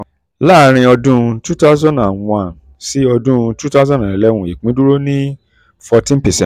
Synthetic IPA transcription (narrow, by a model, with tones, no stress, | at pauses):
la˦˨˧ɾ̃ĩ˧ɔ˧dũ˦˧tu˦ta˦zɔ̃˦˨nã˨˧ã˨n | si˦ɔ˧dũ˦˧tu˦ta˦zɔ̃˦˨ɛ˨lɛ˦wũ˧˨i˨k͡pĩ˨˦du˦ɾo˦nĩ˦ | fɔ˧tĩ˦n˦pɛ˨sɛ̃˦